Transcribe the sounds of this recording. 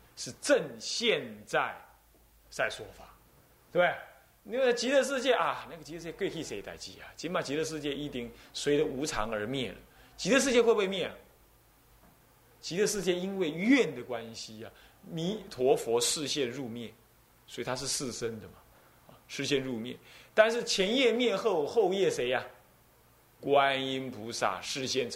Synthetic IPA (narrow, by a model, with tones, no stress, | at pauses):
ʂɻ̩˥˧ʈ͡ʂə˥˧ŋɕjɛ˥˧nt͡sa˥˩ɪ | t͡sa˥˩ɪʂwɔ˥fa˨˩˦ | t̪e˧˩e˥˨˩ɪ | i˥˧wt͡ɕi˧˥d̪ə˧ʂ̬ɻ̩˥˧t͡ɕjɛ˥˧ʔɐ˨˩na˥˩ɡə˩t͡ɕi˧˥ə˧ʂɻ̩˥˩jɛ˥˧kwe˥˧ɪkʰi˥˩ʂe˧˥ɪt̪a̰˨˩ɪt͡ɕi˨˩ɐ˨˩t͡ɕi˧˥npa˨˩t͡ɕi˧˥d̪ə˧ʂ̬ɻ̩˥˧t͡ɕjɛ˥˧ʔi˥˩t̪i˥˩ŋswe˧˥ɪdə˧u˧˥t͡sʰɑ̰˧˥ŋə˞˧˥mjɛ˥˩lə̰˩t͡ɕi˧˥d̪ə˧ʂ̬ɻ̩˥˧t͡ɕjɛ˥˧xwe˥˧pwe˥˧ɪmjɛ˥˩n˩ | t͡ɕi˧˥d̪ə˧ʂɻ̩˥˧t͡ɕjɛ˥˧i˥nwe˥˩ɪɥɛ˥˩nd̪ə˩kwa˦nɕi˥a˨ | mi˧˥t̪ʰwɔ˧˥fwɔ˧˥ʂɻ̩˥˧ɕjɛ˥˧nɻu˥˧mjɛ˥˩n | swɔ˧˥i˨˩t̪ʰa˥ʂɻ̩˥˧ʂɹ̩˥˩ʂə˥nd̪ə˨mɐ˨˩ | a˧ʂɻ̩˥˧ɕjɛ˥˧nɻu˥˧mjɛ̰˥˩nt̪a˥˧nʂɻ̩˥˩t͡ɕʰjɛ˧˥njɛ˥˧mjɛ˥˧xo˥˩˧ʊxo˥˧ʊjɛ˥˩ʂe˧˥ɪɐ˨ | kwa˦ni˥npu˧˥sa̰˥˩ʂɻ̩˥˧ɕjɛ˥˩n